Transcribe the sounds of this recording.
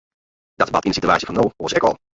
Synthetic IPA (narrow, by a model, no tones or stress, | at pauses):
d̥ɑtbɑtɪnənsityaːsjəvɑnowosɛkɔ̰lˠ